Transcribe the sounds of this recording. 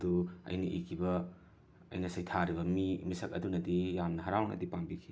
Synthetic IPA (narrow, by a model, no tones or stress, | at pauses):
ɐduɐ̰jnɐʔikʰibɐ | ɐ̰jnɐsɐjtʰaɾibɐmimisɐk̚ɐdunɐdijamnɐɦaɾawnɐ̰dipambikʰi̥